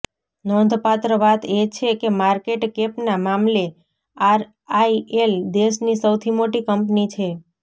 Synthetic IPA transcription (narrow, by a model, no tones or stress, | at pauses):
nɔnd̪ʱpat̪ɾəʋat̪et͡ʃʰekemaɾkeʈkepnamamle | aɾ | aield̪eʃnisəwt̪ʰimoʈikəmpnit͡ʃʰe